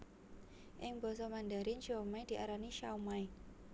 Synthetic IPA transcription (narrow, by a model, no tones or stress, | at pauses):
ʔɪŋbɔsɔmandaɾɪnʃɔmajd̥iʔaɾaniʃawmaj